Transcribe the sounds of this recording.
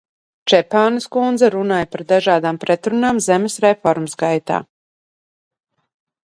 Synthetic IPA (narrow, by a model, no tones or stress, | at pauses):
t͡ʃɛpaːnskund̪zɛɾunaːjpaɾd̪aʒaːd̪aːmpɾɛt̪ɾunaːmzɛmesɾɛfɔɾmsɡajt̪a̰ː